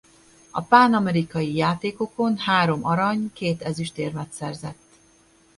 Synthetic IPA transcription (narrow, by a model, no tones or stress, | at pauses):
ɒpaːnɒmɛɾikɒjijaːt̪eːko̞ko̞nhaːɾo̞mɒɾɒɲkeːt̪ɛzyʃt̪eːrmɛt̪sɛrzɛt̪ː